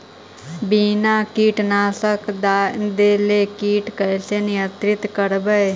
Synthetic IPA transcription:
binakiːʈnaːsəkd̪ad̪eːlekiːʈkəjsenɪjət̪ɾɪt̪kəɾbəj

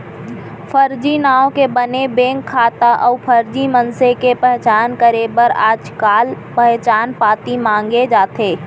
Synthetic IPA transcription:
pʰəɾd͡ʒinaːwõkebənebẽːŋkʰːaːt̪aʔɔːpʰəɾd͡ʒimənsekepɛɦt͡ʃaːnkəɾeːbəɾa̰ːd͡ʒkaːlpɛɦt͡ʃaːnpaːt̪imãːŋɡed͡ʒaːt̪eː

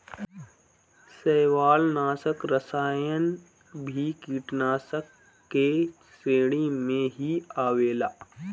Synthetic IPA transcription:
sɛːʋaːlnaːsəkɾəsaːjən | bʱikiːʈnaːsəkː | e | seːɽ̃imẽɦiaːʋeːlaː

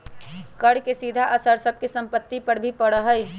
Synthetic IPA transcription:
kəɽkesid̪ʱaʔəsəɾsəb̚ʱkesə̃mpət̪ːipəɾbʱipəɽəɦəj

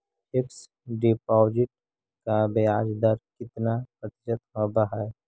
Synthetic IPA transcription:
ɪks | ɖɪpɔːd͡ʒɪʈ̚ | kabejaːd͡ʒd̪aɾkɪt̪napət̪t͡ʃət̪ɦɐbaɦɛ

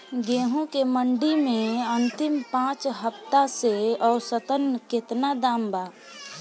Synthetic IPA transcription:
ɡeːɦõkeməɳɖimẽə̃nt̪ɪmpãːt͡ʃɦəpt̪aseɔːɾsət̪ənkɪt̪nad̪aːmbaː

